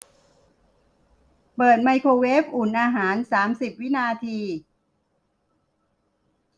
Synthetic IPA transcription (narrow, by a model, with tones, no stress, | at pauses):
pɤː˨˩t̪̚ma˧jkʰoː˧weː˦˥p̚ʔuː˨˩nʔaː˧ɦaː˩˦nsaː˩˦msi˨˩p̚wi˦˥naː˧t̪ʰiː˧